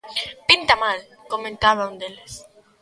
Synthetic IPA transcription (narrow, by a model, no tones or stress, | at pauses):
pint̪amal | komẽnt̪aβaũnd̪eles